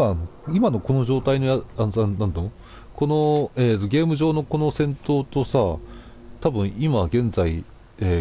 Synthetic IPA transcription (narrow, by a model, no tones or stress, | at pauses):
aːnoimano̞ko̞no̞ʑo̞ːt̪aino̞jaanannãnd̪ono | ko̞no̞e̞ːt̪o̞ɡʲe̞ːmɯ̟ʑo̞ːno̞ko̞no̞sẽ̞nt̪o̞ːt̪o̞sa | t̪abɯ̟̃ɰ̃imaɡẽ̞nd͡zai | eː